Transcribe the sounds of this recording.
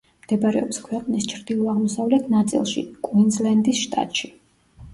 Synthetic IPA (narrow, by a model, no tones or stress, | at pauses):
md̪̥ɛbaɾɛ̰ɔpskʰwɛqʼnist͡ʃʰɾd̪ilˠɔaʁmɔsavlɛt̪ʰnat̪sʼḭlˠʃḭkʼwind̪zlɛnd̪isʃt̪ʼa̰t̪ʼʃi